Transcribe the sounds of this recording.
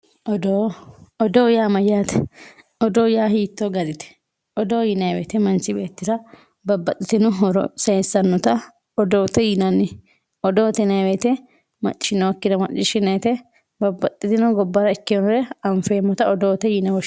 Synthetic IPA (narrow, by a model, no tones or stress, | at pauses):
ʔɔd̪oːɔd̪oːjaːmɐjaːt̪ɛ̥ | ɔd̪oːjaːɦiːt̪ːoɡɐd̪ɪt̪ɛ̥ | ʔɔd̪oːjɪnɐjwḛt̪ɛmɐnsɪbe̞ːt̪ːɪsɐ | bɐbːɐt̪ʼːɪt̪ɪnʊɦɔɾɔ̰seːsːɐnːɔt̪ɐ | ɔd̪oːt̪ɛjɪnɐnːɪ | ɔd̪oːt̪ɛnɐjwet̪ɛ | mɐ̰t͡ʃʼːɪ̥ʃɪnɔwɐkːɪd̪ɐmɐt͡ʃʼːɪʃɪnɐt̪ɛ | bɐbːɐt̪ʼːɪt̪ɪnʊɡɔbːɐɾɐɪkːɪnɔɾɛɐɱfeːmːɔt̪ɐɔd̪oːt̪ɛjɪnɐwɔ